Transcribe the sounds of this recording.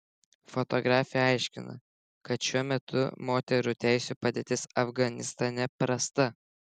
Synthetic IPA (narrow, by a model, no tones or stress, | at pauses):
fɔt̪ɔɡɾɑːfʲɪjɛɐɪʃʲkʲɪnɐ̰ | kɐt̪ʃʲuɔmʲɛt̪ʰʊ̰moːt̪ʲɛɾut̪ʲæɪsʲuːpɐd̪ʲeːt̪ʲɪsɐfɡɐnʲɪst̪ɐnʲɛpɾɐst̪ɐ